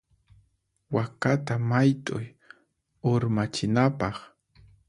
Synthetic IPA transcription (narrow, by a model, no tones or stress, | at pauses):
wakat̪amajt̪ʼʊj | oɾmat͡ʃɪnapɑχ